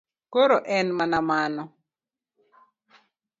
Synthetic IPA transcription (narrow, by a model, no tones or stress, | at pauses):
koɾoʔɛnmanamanɔ